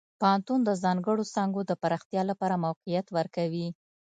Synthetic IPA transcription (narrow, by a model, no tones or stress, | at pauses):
pahant̪und̪əzɑŋɡəɽosɑŋɡod̪əpaɾɑxt̪jɑlapɑɾamawqijat̪wəɾkawi